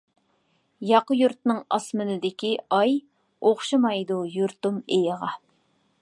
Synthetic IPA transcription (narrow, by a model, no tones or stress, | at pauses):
jɑqəjuɾt̪̚nɨŋɑ̰smɨnɨd̪ɪkʲiɑj | oχʃɨmɑjd̪ujuɾt̪umejəʁɑ